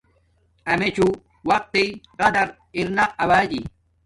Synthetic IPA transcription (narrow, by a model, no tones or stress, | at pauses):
ɐmet͡ɕu | wɐq̚t̪eqɐd̪ɐɾ | iɾnɐɐbaːd͡ʑḭ